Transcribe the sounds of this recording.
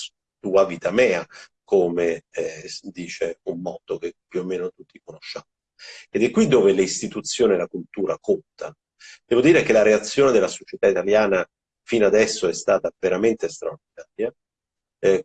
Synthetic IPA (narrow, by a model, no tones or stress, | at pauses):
t̪uːavit̪amɛːakoːme | d̪iːt͡ʃeumːɔːt̪okepːjuomːeːnot̪ut̪ːikonoʃːamo | ed̪ɛkːwid̪ːoːveleist̪it̪ut̪sːjoːnielakult̪uːɾakont̪a | d̪̥ɛːvod̪iːɾekelaɾeat̪sːjoːned̪elːasot͡ʃet̪ait̪aljaːna | finoad̪ɛsːoɛst̪aːt̪aveɾament̪est̪ɾaord̪inaːɾja